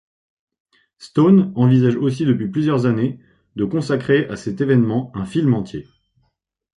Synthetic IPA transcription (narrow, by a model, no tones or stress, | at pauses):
st̪onɑ̃vizaʒosid̪əpɥiplyzjœʁzane | d̪əkɔ̃sakχeʔasɛt̪evɛnmɑ̃ɛ̃filmɑ̃t̪ʰje